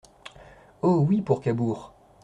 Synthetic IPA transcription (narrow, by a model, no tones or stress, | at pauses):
owipuʁkabuʁ